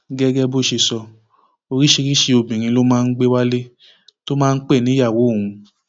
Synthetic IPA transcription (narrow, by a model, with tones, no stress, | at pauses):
ɡɛ˦ɡɛ˦bo˦˨ʃe˧sɔ˧ | o˧ɾi˦ʃe˧ɾi˦ʃe˧o˧bĩ˨ɾ̃ĩ˧lo˦mãː˦˧n̩˦ɡ͡be˦wa˦le˦ | to˦mãː˦˧n̩˦k͡pe˦˨nĩ˨˦ja˦˨wo˨˦˨ũ˧